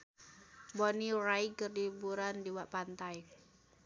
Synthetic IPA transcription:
bɔnirajkərdibuɾandiwaʔpant̪aj

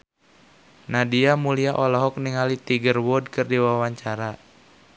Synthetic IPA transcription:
nadiamuliaʔɔlɔɦɔk̚niŋalit̪iɡərwɔd̚kɨrdiwawaɲt͡ʃaɾa

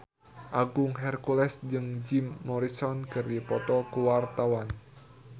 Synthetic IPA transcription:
ʔaɡʊŋɦɛrkulɛsd͡ʒɨŋd͡ʒimːɔɾisɔnkɨrdipɔt̪ɔkuwart̪awan

